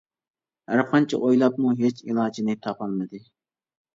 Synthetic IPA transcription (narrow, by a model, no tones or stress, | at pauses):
æɾqʰɑnt͡ʃʰɛ̰ʔojlˠɑpmuɦet͡ʃilˠɑːd͡ʒinɪt̪ʰɑpʰɑlˠmɨd̪ɨ